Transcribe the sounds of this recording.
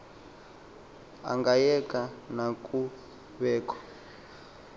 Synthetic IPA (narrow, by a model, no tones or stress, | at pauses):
a̰ŋɡajɛkʼanakʼu | βɛːkɔ̥